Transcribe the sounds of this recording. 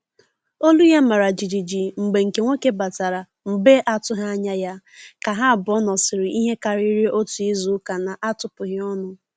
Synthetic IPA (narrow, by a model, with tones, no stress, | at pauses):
o˦lu˦ja˦ma˨ɾa˨d͡ʒi˨d͡ʒi˨d͡ʒi˨ŋ͡m̩˨ɡ͡be˨ŋ̩˨ke˨ŋʷe˦ke˦ba˨ta˨ɾa˨ | m̩˨be˦ʔa˨tʊ˦ɦa˦ɲa˦ja˦ | ka˨ɦa˦a˨bʊ˨ɔ˦nɔ˨sɪ˨ɾɪ˨ʔi˦ɦe˦ka˨ɾi˦ɾi˦ʔo˦tu˨i˦zu˦ka˨na˨ʔa˦tʊ˨pʊ˨ɦɪ˦ɔ˦nʊ˦